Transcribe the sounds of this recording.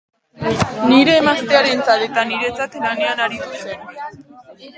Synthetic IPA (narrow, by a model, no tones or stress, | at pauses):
niɾe̞ːmast̪eaɾe̞nt͡sat̪e̞t̪aniɾe̞t͡sat̪lane̞anaɾit̪use̞n